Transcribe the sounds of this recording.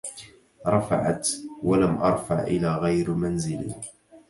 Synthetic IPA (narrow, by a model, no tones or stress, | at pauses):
ɾˤɑfa̰ʕa̰t̪walamʔɑ̰ɾˤfaʕʔɪ̰laːɣajɾmanzɪlḭ